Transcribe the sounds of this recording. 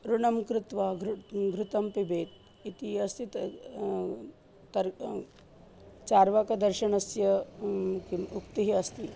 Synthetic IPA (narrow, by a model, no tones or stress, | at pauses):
ɾuɳɐmkɾɪt̪ʋaːɡɾɡɾut̪ɐmpibeːt̪̚ | it̪iɐst̪i | t̪ɐɾ | t͡ʃaːɾʋakɐd̪ɐɾʃɐɳɐsjɐ | kiukt̪iɦiɐst̪i